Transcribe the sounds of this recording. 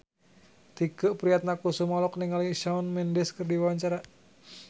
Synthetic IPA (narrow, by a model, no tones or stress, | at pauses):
t̪ikəʔpɾiat̪̚nakusumɔlɔk̚niŋaliʃaunmɛndɛskɨrdiwawaɲt͡ʃaɾa